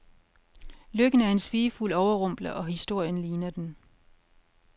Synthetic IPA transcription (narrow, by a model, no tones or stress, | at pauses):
løɡ̥ən̩æɐe̝nsʋiːfulɒʊɐʁɔ̽m̰b̥lɐʔɒ̽ɦisd̥o̝ɐ̰jənliːnɐd̥en